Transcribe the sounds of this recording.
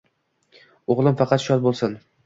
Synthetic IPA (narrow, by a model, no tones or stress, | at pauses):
oʁlˠɪmfɑqʰɑt̪ʃɒt̪̚bolˠsɪn